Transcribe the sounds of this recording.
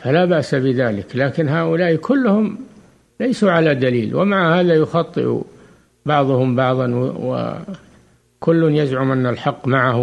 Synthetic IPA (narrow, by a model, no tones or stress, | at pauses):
falabaʔsabɪðaːlɪklaːkɪnɦaːʔʊlaːʔkʰʊlːʊhʊm | lajsuʕalad̪aliːlwʔɪ̰maʕahaːðajʊxɑt̪ˤːɨ̰ʔṵ | bɑʕðˤʊhʊmbɑʕðˤɑnwwɪ̰ | kʊlːʊnjazʕʊmʔanːalħɑqːmaʕah